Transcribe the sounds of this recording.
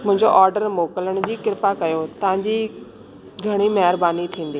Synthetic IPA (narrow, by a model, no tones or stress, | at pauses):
mʊ̃ɦɪ̃ɲd͡ʑoʔaːɾɖəɾmoːkələɽ̃̆d͡ʑiːkɪɾpakɐjot̪ɐʋ̤ãɲd͡ʑiː | ɡʱɐɽ̃imɐɦɾbaːnit̪ʰĩːnd̪iː